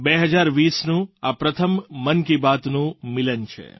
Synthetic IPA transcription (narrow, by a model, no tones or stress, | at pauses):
beɦəd͡ʒaɾʋisnũapɾət̪ʰəmːənkibat̪nũmɪlənt͡ʃʰḛ